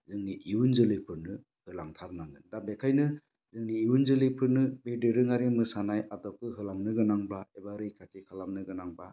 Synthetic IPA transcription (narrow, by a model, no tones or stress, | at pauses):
zɯŋniʔiwunzɯlɯpʰɯɾnɯ | hɯlaŋtʰaɾnaŋɯndabekʰajnɯ | zɯŋniːunzɯlɯpʰɯɾnɯbedɯɾɯŋaɾimɯsanajadɔkːɯɦɯlamnɯɡɯnaŋbaebaɾɯjkʰatʰikʰalamnɯɡɯnaŋba